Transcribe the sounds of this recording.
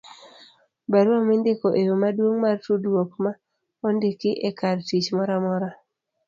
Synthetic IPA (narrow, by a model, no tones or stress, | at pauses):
baɾwamendekoʔejomadwoŋmartudwɔkma | ɔndekɪʔɛkartit͡ʃmɔɾamɔɾa